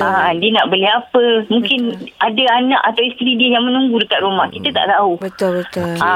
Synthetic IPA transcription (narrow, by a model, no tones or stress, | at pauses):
ʔadiənaʔbəliɦapəmũŋkɪnadaanãkat̪awist̪ɾidiəjaŋmənũŋɡudəkat̪̚rumahkit̪at̪a̰ʔt̪aubət̪ʊəa